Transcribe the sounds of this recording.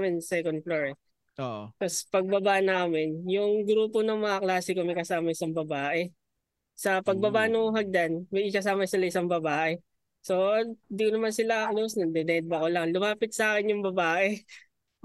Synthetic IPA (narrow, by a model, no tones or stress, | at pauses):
mɪnsɛkon̚floɹɛ | oʔk̪ɐspɐɡ̚bɐbaʔnaːmɪnjʊŋɡɾuːponɐŋmɐŋɐklaːsɪkomɐjkɐsaːmɐɪsaŋbɐbaːʔɛ | sɐpɐɡ̚bɐbaʔnʊŋɦɐɡ̚d̪anmɐjʔɪkɐs̬aːmɐsɪlaʔɪsaŋbɐbaːʔɛ | so̞ɪnd̪ikonɐmansɪlaɐklosnɐd̪ɛnɛd̪̚bɐkolɐŋlʊmaːpɪt̪̚sɐʔaːkɪnjʊŋbɐbaːʔɛ